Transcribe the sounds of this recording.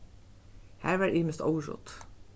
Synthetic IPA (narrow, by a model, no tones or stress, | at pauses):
hæːɹʋæːɹeːməst̪o̰ʊəɹʊ̰t̪